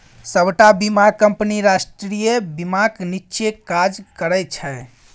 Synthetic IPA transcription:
səbʈabimaɡ̚kəmpniɾasʈɾɾijebimaknitːt͡ʃekad͡ʒkəɾəjt͡ʃʰɛ

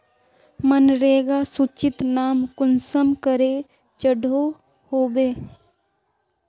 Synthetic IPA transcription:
mənɾeːɡasut͡ʃɪt̪naːmkʊnsəmkəɾe | t͡ʃəɖʱo | hoːbeː

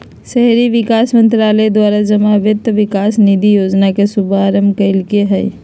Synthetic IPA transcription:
ʃɛɦɾiʋɪkaːsmə̃nt̪ɾaːled̪waːɾad͡ʒəmaʋɪt̪ːʋɪkaːsnid̪ʱijoːd͡ʒnakesʊbʱaɾəmkəɪlkeɦɛj

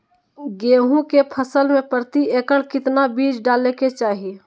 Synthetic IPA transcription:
ɡeːɦũkepʰəsəlmẽpɾət̪ieːkəɽkɪt̪nabiːd͡ʒɖaːleket͡ʃaːɦi

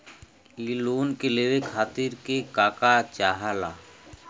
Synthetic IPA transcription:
iloːnkeleʋekʰaːt̪ɪɾkekaːkat͡ʃaːɦalaː

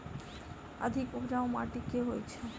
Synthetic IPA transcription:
a̰d̪ʱikupɾaomaʈikeɦojet͡ɕʰe

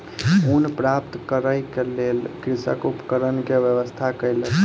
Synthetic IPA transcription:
unpɾap̚t̪kəɾəjkelelkɾisə̰kupəkəɾənkeʋjəʋəst̪ʰakəjle

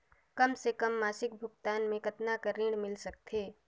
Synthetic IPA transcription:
kɐmsekɐmːaːsɪk̚bʱʊɡt̪aːnmẽkɐt̪nakəɾiːɽmɪlsɐk̚t̪ʰeː

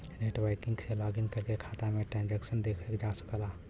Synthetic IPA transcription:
neʈʋaɪkɪ̃ŋɡselaːɡɪnkəɾkekʰaːt̪amẽʈɾɛ̃ːnd͡ʒɛːkʃənd̪eːkʰekd͡ʒasə̥klaː

